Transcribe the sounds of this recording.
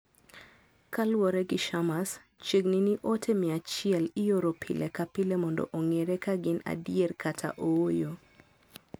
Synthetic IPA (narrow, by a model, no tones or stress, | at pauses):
kalwɔɾɛɡɪʃamas | t͡ʃeɡniniʔotʰemɪat͡ʃɪɛlɪjoɾopʰilʔekapɪlemɔndɔ̰ʔoŋeɾekaɡɪna̰dijerkʰatʰa̰ʔowojo